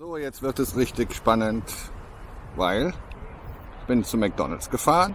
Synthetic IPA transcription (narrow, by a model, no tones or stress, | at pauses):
z̥oːjɛt͡stv̥ɪɐtɛsʁɪçtɪçʃpanənt | vaɪl | çb̥ɪnt͡sumɛk̚d̥ɔ̰na̰lsɡ̥əfaːʁən